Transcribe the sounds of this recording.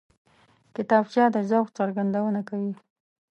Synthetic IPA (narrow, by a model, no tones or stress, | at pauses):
kɪt̪ɑbt͡ʃjɑd̪əzawxt͡saɾɡand̪awənakawi